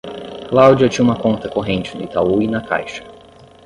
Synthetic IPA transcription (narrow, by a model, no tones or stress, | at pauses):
klawd͡ʒiɐt͡ʃĩɲumɐkõnt̪ɐkoɦẽnt͡ʃɪnʊit̪auinɐka̰jʃɐ̥